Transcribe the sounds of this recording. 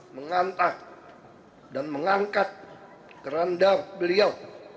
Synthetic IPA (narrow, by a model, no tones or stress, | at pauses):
məŋant̪a | danməŋaŋkat̪̚ | kəɾandabəliaw